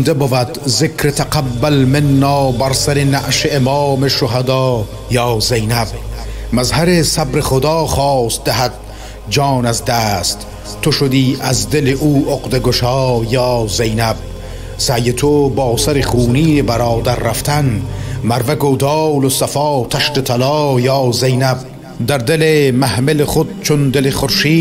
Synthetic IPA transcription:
nd̪ebovæd̪zekʰɾet̪ʰaqabːælmenːɒːbæɾsæɾenaʔʃeemɑːmeʃoɦad̪ɑː | jɒːzejnæb̚mazhæɾesabɾeχod̪ɑːχɒːst̪̚d̪eɦæd̪̥̚ | d͡ʒɒːnazd̪æːst̪ | t̪ʰːoʃod̪iːæzd̪eleʔuːʔoqd̪eɡoʃɑːjɑːzejnæb̚ | sæjet̪ʰobɒːsaɾeχuːniːnebæɾɑːd̪aɾːaft̪ʰænmæɾvaɡod̪ɑːlosafɑːt̪ʰaʃt̪et̪ʰalɑːjɑːzejnæb̚ | d̪æɾd̪elemæhmeleχod̪̚t͡ʃʰond̪eleχoɾʃiː

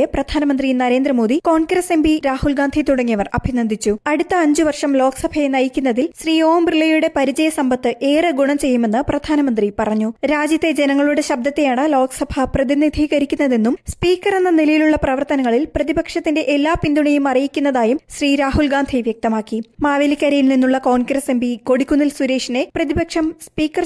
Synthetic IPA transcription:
eprɐd̪ʱaːnɐmɐnd̪rinɐɾe̞ːnd̪ɾɐmo̞ːd̪iko̞ːɳɡɾɐse̞mbiɾaːhulɡaːnd̪ʱit̪uɽɐŋːijɐʋɐrɐ̰bʱinɐnd̪ʱit͡ɕːuɐɽut̪ːɐːɲd͡ʑuʋɐrʂɐmlo̞ːksɐbʱɐjenɐjikʲːunːɐðilɕriːoːmbrilːɐjuɽe̞pɐɾid͡ʑɐjɐsɐmbɐt̪ːɨʔe̞ːrɨɡuɳɐmt͡ɕe̞jːume̞nːɨprɐd̪ʱaːnɐmɐnd̪ripɐrɐɲːuɾaːd͡ʑjɐt̪ːed͡ʑe̞nɐŋːɐɭuɽe̞ɕɐb̚d̪ɐt̪ːejaːɳɨlo̞ːksɐbʱɐprɐðinid̪ʱiːɣɐɾikʲːunːɐðenːumspiːkːɐre̞nːɐnilɐjiluɭːɐprɐʋɐrt̪ɐnɐŋːɐɭilprɐðibɐkʂɐt̪ːinde̞ʔelːaːpind̪uɳɐjumɐrijikʲːunːɐðaːjumɕriːɾaːɦulɡaːnd̪ʱiʋjek̚t̪ɐmaːkːimaːʋelikʲːaːɾɐjilninːuɭːɐko̞ːnɡrɐse̞mbʱiko̞ɽikʲːunːilsuɾeːʂine̞prɐðibɐkʂɐmspiːkːɐr

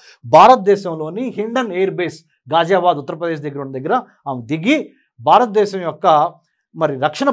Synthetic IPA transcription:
bʱaːɾɐt̪ɐd̪ɛːʃɐmlo̞ːniɦiɳɖɐneːɾbeːs | ɡaːd͡ʒaːbaːd̪ut̪ːɐɾɐpɾɐd̪eːʃd̪ɐɡːɐɾuɳːɐd̪ɐɡːɐɾɐ | aːmid̪iɡi | bʱaːɾɐt̪ɐd̪ɛːʃɐmjɔkːɐ | mɐɾiɾɐkʂɐɳɐ

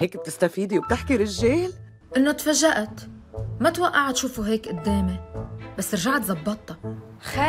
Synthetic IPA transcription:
heːkb̚t̪ɪst̪afiːd̪iwb̚t̪ɪħkiɾɪʒːeːl | ʔɪnːot̪faʒːaʔat̪ | mat̪waʔːaʕt̪ʃuːfuɦeːkʔʊd̪ːeːmebasːʔɪɾʒaʕat̪zˤɑbːɑt̪ˤːɑx

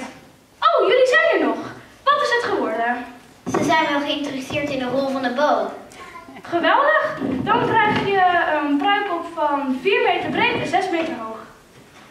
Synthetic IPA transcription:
owjɵlizɛjnənɔχ | ʋɑtɪsɦətχəʋɔɹdə | zəzɛjnχəɪntrɪstɪːɹtɪndəɦɔlˠvɑndəbowm | χəʋɛlˠdəχdɑnkrɛjχjəənprœɥpɔpfɑnviːɹmejtəɹbrejdəzɛsmejtəɹɦowχ

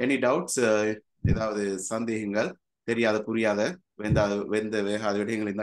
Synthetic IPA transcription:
ɛniɖɐʊʈs | ɛðaːʋɐðɯsɐnd̪eːɣɐŋɡɐɭ | t̪ɛɾɪjaːðɐpʊɾɪjaːðɐ | ʋeːnd̪aːðʋɛɾnd̪ɐʋeːɦaːðɐʋɪɽɐjɐŋɡɐɭɪɾnd̪a

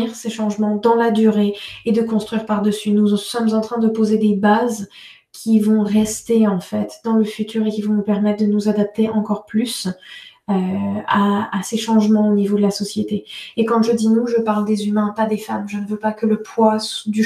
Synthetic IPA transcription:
iʁseʃɑ̃ʒmɑ̃d̪ɑ̃lad̪yʁeed̪əkɔ̃st̪χɥiʁpaʁd̪əsynusɔmzɑ̃t̪χɛ̃d̪əpozed̪ebaz | kʲʰivɔ̃ʁɛst̪eɑ̃fɛt̪d̪ɑ̃ləfyt̪ʰyːʁekʲivɔ̃nupɛʁmɛt̪̚d̪ənuzad̪ap̚t̪eʔɑ̃kɔʁplys | øaːseʃɑ̃ʒmɑ̃onivod̪əlasɔsjet̪eekɑ̃ʒəd̪inuʒəpaʁld̪ezymɛ̃pad̪efamʒənəvøpakələpʰwasud̪y

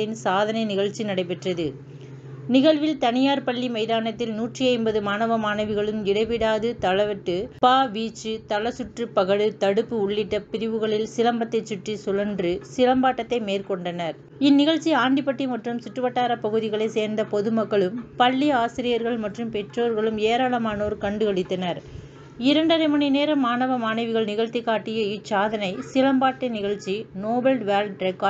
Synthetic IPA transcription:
ɪnsaːðɐnɐɪnɪɣɐɻt͡ʃːinɐɽɐɪpɛʈrɐðɯ | nɪɣɐɭʋɪlt̪ɐnɪjaːɾpɐɭːimɐɪðaːnɐt̪ːɪlnuːʈriɐɪnbɐðɯmaːnɐʋɐmaːnɐʋɯɣɐɭɯmɪɽɐɪʋɪɽaːðɯt̪ɐɭɐʋɐʈːɯpaːʋiːt͡ʃːɯt̪ɐɭɐsʊʈrɯpːɐɣɐɽɯt̪ɐɽɯpːɯʊɭːɪʈːɐpɪɾɪʋɯɣɐɭɪlsɪlɐmbɐt̪ːɐɪt͡ʃːʊʈːisɔlɐndrɯsɪlɐmbaːʈːɐt̪ːɐɪmeːrkɔɳɖɐnɐɾ | ɪnːɪɣɐɻt͡ʃːiaːɳɖɪpɐʈːimɐʈrɯmsɪʈːɯʋɐʈːaːɾɐpɐɣɯðɪɣɐɭɐɪseːɾnd̪ɐpɔðɯmɐkːɐɭɯmpɐɭːiaːsɪɾɪjɐɾɣɐɭmɐʈrɯmpɛʈroːɾɣɐɭɯmeːɾaːɭɐmaːnɐːɾɯkɐɳɖɯɣɐɽɪt̪ːɐnɐɾ | ɪɾɐɳɖɐɾɐɪmɐnɐɪneːɾɐmːaːnɐʋɐmaːnɐɪʋɯɣɐɭnɪɣɐɻt̪ːɪkːaːʈːɪjɐɪsaːðɐnɐɪsɪlɐmbaːʈːɐnɪɣɐɭt͡ʃːinoːbɐlɖʋaːlɖɾɐka

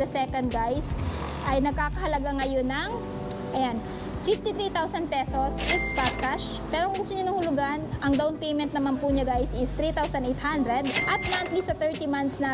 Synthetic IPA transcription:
ɐsɛkɐnd̪̚ɡajs | ʔɐjnɐɡ̚kaːkɐhɐlɐɡaŋɐjo̞nɐŋ | ʔɐjan | fɪft̪it̪ɾit̪awsɐnd̪̚pɛso̞sʔɪkskap̚kaʃ | pɛːɾoʔɐŋɡʊst̪ʊɲonɐŋhʊlʊɡanʔɐŋd̪ɐwnpejmɛnt̪̚nɐmanpuɲɐɡajsʔɪst̪ɾit̪awsɐnejt̪̚hand̪ɾɛd̪ʔɐt̪̚mant̪lisɐt̪ɛɹt̪imant̪snɐ

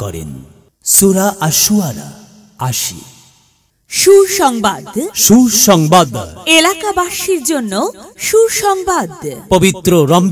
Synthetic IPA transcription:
kɔ̰ɾḛn | suɾaʔaʃuaɾa̰ | aʃḭ | ʃuʃɔŋbad̪ʃuʃɔŋbad̪elakabaʃiɾd͡ʑonːoʃuʃɔŋbad̪pobit̪ɾoɾɔmb

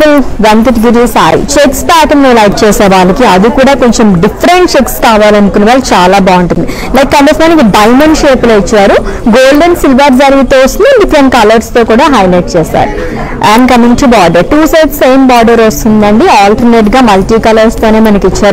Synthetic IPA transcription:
ɐlʋɐnt̪ɐʈɡiɾisa̰ːj̰t͡ʃekspaːʈɐmnoːlɐjk̚t͡ʃɛːsɛːɾuʋaːɭːɐkiɐd̪ikuːɽaːko̞ɲt͡ʃemɖifʰɐɾeɳʈt͡ʃekskaːʋaːlɐnd̪ukunːiʋaːɭːt͡ʃaːlaːbaːɐɳʈund̪i | lɐjkːɐnp̪esɐnɐnɐkiɖɐjmɐɳɖʃeːploit͡ʃːaːɾuɡoːlɖɐnsilʋaːɾd͡ʒɐɾɡit̪oɐst̪und̪ɐɖipʰɾeɳʈ̚kɐlɐɾst̪o̞ːkuːɽaːɦɐjlɐjʈ̚t͡ʃɛːsa̰ːɾu | ʔɐɳɖkɐmiŋʈubaːɾɖɐɾʈuːsɐjt̪seːjmbaːɾɖɐɾʋɐst̪und̪ɐɳɖiaːlʈɐɾneʈɡaːmɐlʈiːkɐlɐɾst̪o̞ːne̞ːmɐnɐkit͡ʃːaːɾu

